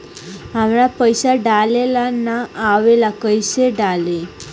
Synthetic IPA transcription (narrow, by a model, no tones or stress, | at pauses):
amɭapəjsaɖalelanaːʋelakəjseɖale